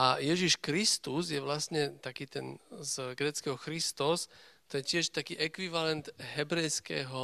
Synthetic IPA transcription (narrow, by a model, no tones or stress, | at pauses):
ʔajɛʒiʃkɾist̪uzjɛʋlasɲɛt̪akiːt̪ɛnzɡɾɛːt͡skɛɦɔxɾist̪ɔst̪ɔjɛcɪɛʃt̪akiːʔɛkʋiʋalɛnd̪ɦɛbɾɛjskɛ̰ːɦɔ